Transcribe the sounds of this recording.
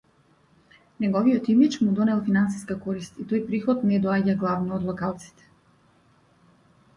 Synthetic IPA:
nɛɡɔvijɔt̪imit͡ʃmud̪ɔnɛlˠfinansi̥skakɔɾist̪it̪ɔjpɾixɔt̪nɛd̪ɔaɟaɡlˠavnɔːd̪lˠɔkalˠt̪si̥t̪ɛ̥

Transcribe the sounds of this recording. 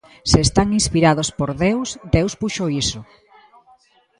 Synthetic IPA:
seːst̪aŋinspiɾað̞ospoɾðewsd̪ewspuʃoisʊ

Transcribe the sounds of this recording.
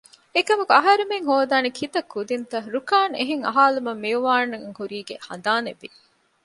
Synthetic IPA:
ekɐmɐkuɐɦɐɾemeŋɦoːd̪aːnekʰit̪ɐkːud̪int̪ɐɾukaːnḛɦeŋɐ̰ɦaːlumɐmːiuʋaːnːɐŋhuɾiːɡehɐ̰nd̪aːneʋi

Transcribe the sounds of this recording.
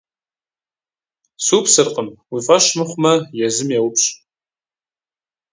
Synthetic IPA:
supʰsɨrqʼəmwifʼɐʃmɨχʷmɐjɛzɨmjɛwʊpʰɕʼ

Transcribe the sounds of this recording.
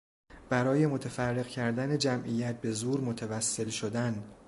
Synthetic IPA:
b̥æɾɒːje̞mot̪ʰefærːe̞ɣcʰæɾd̪æne̞d͡ʒæmʔijæt̪̚be̞zuːɾmo̞t̪ʰevæsːe̞lʃod̪æn

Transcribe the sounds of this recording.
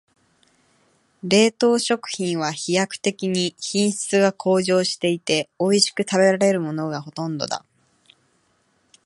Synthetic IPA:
ɾe̞ːt̪o̞ːɕo̞kɯ̟̥çĩɰ̃β̞açijakɯ̟̥t̪e̞kʲiɲ̟içĩɰ̃ɕɨ̥t͡sɨɡakʰo̞ːʑo̞ːɕi̥t̪e̞it̪e̞o̞iɕi̥kɯ̟t̪abe̞ɾaɾe̞ɾɯ̟mo̞no̞ɡaɦo̞t̪õ̞nd̪o̞̰d̪a̰

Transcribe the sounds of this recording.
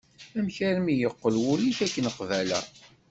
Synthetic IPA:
æmçæɾmijəqːəlwʊliçækːənəqvælə̰

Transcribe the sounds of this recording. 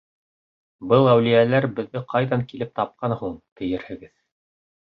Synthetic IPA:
bɤlˠæwlijælæɾbɘ̆ðːɘqʰɑjðɑŋkilɘp̚t̪ɑp̚qɑnhuɴt̪ɘ̆jɘɾhɘ̆ɡɘð

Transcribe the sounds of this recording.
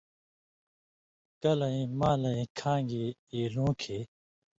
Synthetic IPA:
kɐlɐĩmaːlɐĩkʰãːŋɡeːeːlõːkʰeː

